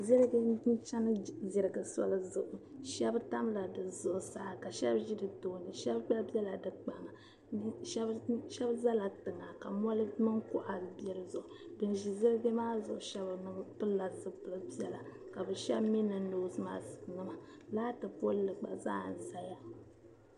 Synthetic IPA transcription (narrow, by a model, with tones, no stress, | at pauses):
zi˦ɾɡɨ˦i˦nt͡ʃa˦nɨ˦zi˨ɾɨ˨ɡɨ˨sɔ̰˦lɨ˦zʊ˨ʔʊ˨ʃɛ˦bta˦mla˨dɨ˨zʊ˨ʔʊ˨sa˨hka˨ʃɛ˦bʒi˦dɨ˨to˨nɨ˨ʃɛ˦bk͡pa˦lbɛ˦la˨dɨ˨k͡pa˨ŋa˨ | n˦ʃɛ˦ʃɛ˦bza˦la˨tɨ˨ŋa˨ka˨mɔ˦lɨ˦mɨ˦ŋkʊ˦ʔa˨bɛ˨ɾɨ˨zʊ˨ʔʊ˨dɨ˨nʒi˨zi˦ɾɨ˦ɡɨ˦maː˦zʊ˨ʔʊ˨ʃɛ˦bnɨ˦m˦pɨ˦lla˨zɨ˨pɨ˨lɨ˦bi˦ɛ˦la˨ka˨bɨ˨ʃɛ˦bmi˦nɨ˨no˨˦sma̰ː˦˨nɨ˦ma˨ | laː˦tɨ˨po˦lɨ˨k͡pa̰˨za̰ː˦˨n˨za˨ja˦